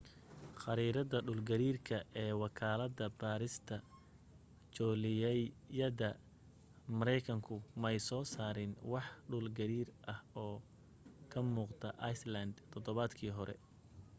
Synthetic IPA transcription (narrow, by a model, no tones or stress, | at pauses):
χɑɾiːɾɐðɐɖuːlɡɐɾiːrkʰɐʔɛːwɑkʰaːlɐðɐbaːɾɪst̪ʰɐ | t͡ʃɔːlɪjɛjjɐðɐ | mɐɾɛjkʰɐŋkʰʊmɛjsɔːsaːɾɪnwɑħɖuːlɡɐɾiːrʔɐhɔː | kʰɐmuːqt̪ʰɐʔɐjslɐnd̪t̪ʰɔd̪ɔβaːd̪kʰiːɦɔɾɛ̰